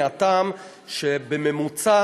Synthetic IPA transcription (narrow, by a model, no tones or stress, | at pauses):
at̪am | ʃebememut͡sa